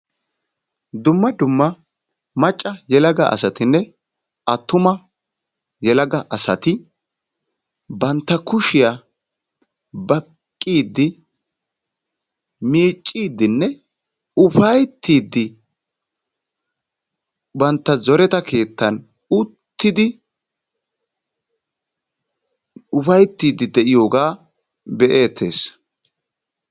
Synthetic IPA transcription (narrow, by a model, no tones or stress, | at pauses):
d̪ʊmːɐd̪ʊmːɐ | mɐt͡ʃʼːɐjɛlɐɡɐʔɐ̰sɐt̪ɪnːɛ | ʔɐt̪ːʊmɐ | jɛlɐɡɐʔɐsɐt̪ɪ | bɐnt̪ːɐkʊʃɪja | bɐkkʼːiːd̪ːɪ | miːt͡ʃʼːiːd̪ːɪnːɛ | ʊfɐjt̪ːiːd̪ːɪ | bɐnt̪ːɐzɔɾɛt̪ɐkʰe̞ːt̪ːɐn | ʊt̪ːɪd̪ɪ | ʊfɐjt̪ːiːd̪ːɪd̪ɛʔɪjo̞ːɡaː | bɛʔe̞ːt̪ʰːe̞̰ːs